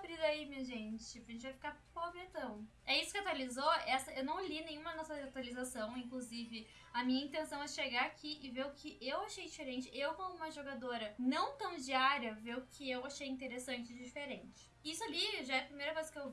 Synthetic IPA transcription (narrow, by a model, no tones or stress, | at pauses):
bɾid̪aimiʒẽt͡ʃɪɐʒẽt͡ʃɪvajfi̥kapobɾɪẽnt̪ɐ̃w̃ | ɛisʊ̥kɪat̪walizoɛsɐewnɐ̃w̃linẽɲ̃ũmɐnɔsɐat̪walizasɐ̃w̃ĩŋkluzivɪ | ɐmĩɲɐĩt̪ẽsɐ̃w̃ɛʃeɡaɾakʰiʔɪveɾʊkʰɪʔewaʃejd͡ʒifeɾẽnt͡ʃɪewkõmʊũmɐʒoɡad̪oɾɐnɐ̃w̃t̪ɐ̃w̃d͡ʒiaɾiɐveʊkʰɪewaʃejĩnt̪̬eɾesɐ̃nt͡ʃɪd͡ʒifeɾẽnt͡ʃɪ̥isʊaliʒaɛɐpɾimejɾɐkojzɐ̥kɪew